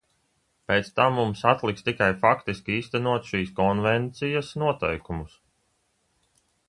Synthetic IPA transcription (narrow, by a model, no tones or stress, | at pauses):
peːt̪st̪amːumsat̪lˠikst̪ikajfakt̪iskʲiiːst̪ænuɔt̪ʃiːskɔnvɛnt̪sijasnuɔt̪ɛjkumus